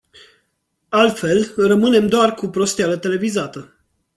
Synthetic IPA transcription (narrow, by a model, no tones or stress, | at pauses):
alt̪fe̞lrəmɨne̞md̪oarkupɾo̞st̪ealət̪e̞le̞vizat̪ə